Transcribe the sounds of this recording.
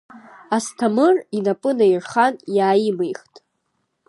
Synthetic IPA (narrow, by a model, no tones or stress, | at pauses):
astʰamɨrinapʼɨnairχanjaːjimejχtʼ